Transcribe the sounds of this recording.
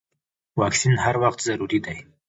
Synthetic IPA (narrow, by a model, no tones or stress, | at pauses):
wɑksinhaɾwaxt̪zaɾuɾid̪aj